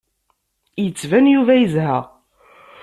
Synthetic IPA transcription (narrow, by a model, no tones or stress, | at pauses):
jət͡sːvænjuvæjəzɦæ